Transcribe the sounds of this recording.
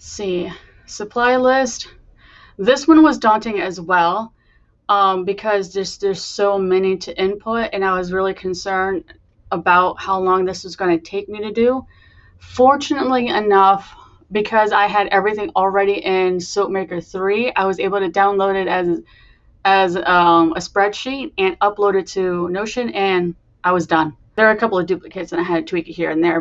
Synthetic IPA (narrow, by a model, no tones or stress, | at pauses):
si | sɨpʰl̥aɪlɪst | ðɪswʌ̃nwʌzdɔ̃ntɪ̃ŋɨzwɛlˠ | ʔʌ̃bɨkʰʌzðə˞zðə˞z̥soʊmɛniɾɨʔɪ̃npʰʊɾɨ̃naɪwʌzɹɪlˠikʰɨ̃n̩sɜ̃˞nd | əbaʊt̚haʊlɔ̃ŋðɪswʌzɡʌnɨtʰeɪk̚miɾɨdʉ | fɔɹt͡ʃɨnətˡliɨnʌf | b̥ɨkʰʌza̰ɪɨɾʔɛvɹiθɪ̃ŋl̩ˠɹɛɾiʔɪ̃nsoʊt̚meɪkə˞θɹiaɪwʌzeɪbl̩ˠtɨdãʊ̃nloʊɾɨɾɨz | ɨzʌ̃mɨspɹɛd̥ʃiɾ̚ɨ̃nʌploʊɾɨd̚tʰɨnoʊʃɨ̃nɨ̃n | ʔaɪwʌzdʌ̃n | ðə˞ə˞ɨkʰʌpl̩ˠʌvdʉplɨkʰeɪtsɨ̃ñaɪɨd̚tʰwikhḭɹɨ̃nðə˞